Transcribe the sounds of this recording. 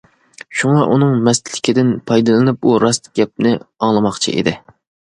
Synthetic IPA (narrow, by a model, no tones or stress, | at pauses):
ʃuŋɑʔunɨŋmɛst̪lɪkʲʰid̪ɪnpʰɑjd̪ɨlˠɨnɨp̚uɾɑst̪ɡʲɛp̚nɪɑŋlˠɨmɑχt͡ʃʰḭʔḛd̪ɪ